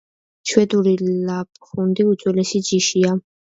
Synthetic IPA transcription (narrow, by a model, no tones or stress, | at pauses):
t͡ʃʰwɛd̪uɾilapʼχund̪iut̪sʼwɛlɛsid͡ʒiʃia